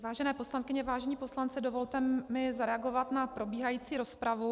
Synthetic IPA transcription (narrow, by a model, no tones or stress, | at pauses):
vaːʒɛnɛːpo̞slankɪɲɛvaːʒɛɲiːpo̞slant͡sɪdovo̞lt̪ɛmɪzaɾɛaɡo̞vat̪napɾo̞biːɦajiːt͡siːɾo̞spɾavu